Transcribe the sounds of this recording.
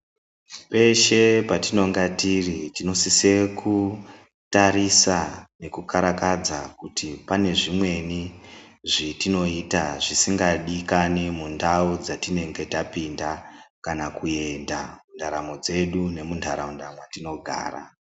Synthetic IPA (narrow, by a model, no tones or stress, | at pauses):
pe̞ʃe̞patino̞ŋɡatiritino̞sise̞ku | taɾisane̞kukaɾakad͡zakutipane̞ʐimwe̞niʐitino̞itaʐisiŋɡaɗikanimundaud͡zatine̞ŋɡe̞tapindakanakue̞nda̰mundaɾamo̞d͡ze̞ɗune̞mundʰʱaɾaundamwatino̞ɡʱa̰ːra̰